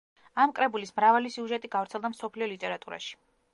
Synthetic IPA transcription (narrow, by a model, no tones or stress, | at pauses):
amkʼɾɛbulismɾavalisiuʒɛt̪ʼiɡavɾt̪sʰɛlˠd̪amsɔpʰliɔlit̪ʼɛɾat̪ʼuɾa̰ʃi̥